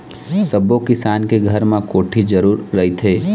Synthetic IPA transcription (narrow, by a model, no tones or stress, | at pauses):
sɐbõkɪsaːnkeɡʱɐɾmẽkoːʈʰid͡ʒɐɾuːɾːɐɦit̪ʰeː